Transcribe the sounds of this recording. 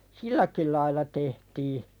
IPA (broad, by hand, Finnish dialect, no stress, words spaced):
silːæki lɑilˑɑ tehtiː